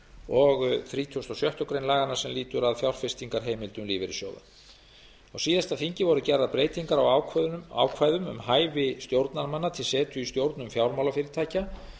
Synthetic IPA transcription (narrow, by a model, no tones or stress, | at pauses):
ɔɣθɾiːt̪ʰuwst̪ɔsjœht̪jɔwkɾejnlaːɣanaɾ̥sɛmliːt̪ʏɾaðfjawl̥fɪst̪iŋkaɾ̥ɦejmɪlt̪ʏmliːvɪɾɪ̰sjo̰wða̰ | awsiːðast̪afiɲcɪvɔɾðʏcɛɾðaðpɾeːjt̪iŋkaɾawa̰wkʰvaːjðʏmʏ̰mhaːjvɪst̪jowɾt̪naɾmanːat̪ʰɪlsɛːt̪ʰʏist̪jowɾt̪nʏmfjawɾmawlafɪːɾɪɾt̪ʰaːjca